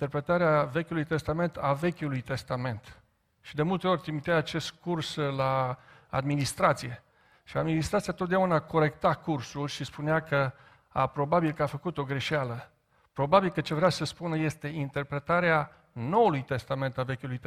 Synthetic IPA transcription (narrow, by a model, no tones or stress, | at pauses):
t̪eɾpɾe̞t̪aɾeave̞kʲulujt̪e̞st̪ame̞nt̪ave̞kʲulujt̪e̞st̪ame̞nt̪ | ʃid̪e̞mult̪e̞o̞rʲt̪ɾimit̪eajat͡ʃe̞st̪kurslaa̰d̪minist̪ɾat̪sije̞ | ʃiad̪minist̪ɾat̪sijat̪ot̪̚d̪eaunaːko̞ɾe̞k̚t̪akursulʃispuneakə | a̰pɾo̞babilkəafəkut̪o̞ɡɾe̞ʃalə | pɾo̞babilkət͡ʃe̞vɾeasəspunəje̞st̪e̞int̪e̞rpɾe̞t̪aɾea | no̞wulujt̪e̞st̪ame̞nt̪ave̞kʲulujt̪